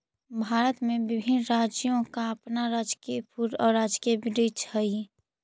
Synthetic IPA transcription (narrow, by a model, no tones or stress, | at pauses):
bʱaːɾət̪mẽbɪbʱɪnɾaːd͡ʒjõkaəpnaɾaːd͡ʒkipʰuɾɔːɾaːd͡ʒkiəbɾit͡ʃhəi